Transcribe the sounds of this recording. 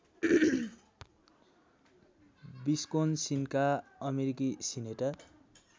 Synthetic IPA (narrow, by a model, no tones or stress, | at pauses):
biskonsinkaʌmeɾikisineʈʌr